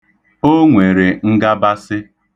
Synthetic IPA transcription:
o˦ŋʷe˨ɾe˨ŋ̩˦ɡa˦ba˦sɪ˦

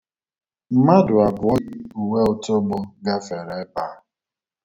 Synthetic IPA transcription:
m̩˦ma˦dʊ˨a˨bʊ˨ɔ˦ɪ˦u˨we˦ʊ˦to˦ɡ͡bo˦ɡa˦fe˨ɾe˨˦pa˨˦

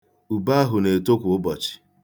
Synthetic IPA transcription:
u˨ba˦a˦ɦʊ˨ne˨to˦kʷʊ˨ʊ˦bɔ˨t͡ʃɪ̥˨

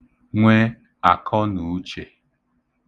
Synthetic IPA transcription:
ŋʷe˦ | a˨kʰɔ˦nu˨˦t͡ʃe˨

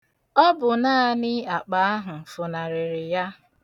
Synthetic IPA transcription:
ɔ˦bʊ˨na˦a˦nɪ˦a˨k͡pa˨a˦ɦʊ˨fʊ˨na˨ɾɪ˨ɾɪ˨ja˦

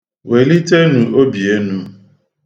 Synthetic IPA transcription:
we˨li˦te˦nũ˨o˦bi˨e˦nũ˦

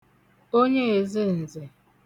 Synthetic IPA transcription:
o˦ɲe˦e˨zɪ˦n̩˨ze˨

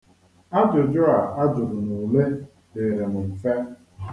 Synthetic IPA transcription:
a˦dʊ˨d͡ʒʊ˦a˨a˦d͡ʒʊ˨ɾʊ˨nu˨le˦ | de˨ɾe˨mʊ˨m̩˨fe˦

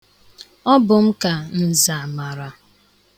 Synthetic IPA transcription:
ɔ˦bʊ˨m̩˦ka˨n̩˦˨za˨ma˨ɾa˨

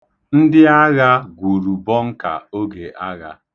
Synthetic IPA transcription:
n̩˦dɪ˦a˦ɣa˦ɡʷu˨ɾu˨bɔ˦ŋ̩˦ka̰˨o˦ɡe˨ʔa˦ɣa̰˦

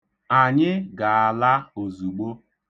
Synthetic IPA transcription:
a˨ɲɪ˦ɡa˨a˨la˦o˨zu˨ɡ͡bo˦

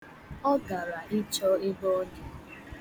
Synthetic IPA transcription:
ɔ˦ɡa˨ɾa˨ɪ˦t͡ʃɔ˦ɪ˦bɔ˦dɪ˨

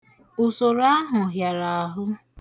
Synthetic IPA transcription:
ʊ˨so˨ɾa˦ɦʊ˨ɦja˨ɾa˨ɔ˨ɦʊ˦

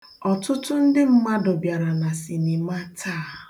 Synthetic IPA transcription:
ɔ˨tʊ˦tʊ˦n̩˦dɪ˦m̩˦ma˦dʊ˨bja˨ɾa˨na˨si˨ni˨ma˦tʰaː˦˨

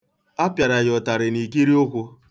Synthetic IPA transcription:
a˦pja˨ɾa˨ɣɔ˨ta˨ɾɪ˨ni˨ki˦ɾi˦o˦kʷʊ˦

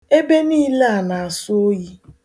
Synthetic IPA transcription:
e˦be˦niː˦la˦a˨na˨a˨sʊ˦o˦ji˦

